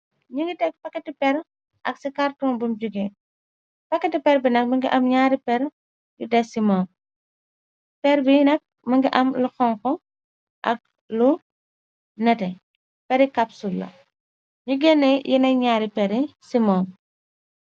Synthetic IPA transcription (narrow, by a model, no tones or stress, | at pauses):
ɲuŋɡitɛk̚pɐkːɛtipɛɾ | ʔɐksikartɔmbumd͡ʒuɡe | pɐkːɛtipɛɾbinɐk̚mɐŋɡḭʔɐmɲaːɾipɛɾ | judɛsimɔm | pɛɾbinɐk̚ | mɐŋɡiʔɐmluxɔŋkɔ | ʔɐ̰k̚ | lu | nɛtɛ | pɛɾikɐpsulːɐ̰ | ɲuɡɛnːɛjʔinɐɲaːɾipɛɾisimɔm